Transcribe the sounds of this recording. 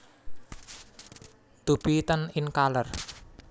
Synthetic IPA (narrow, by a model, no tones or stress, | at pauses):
d̪̥ub̥it̪ənɪnkalər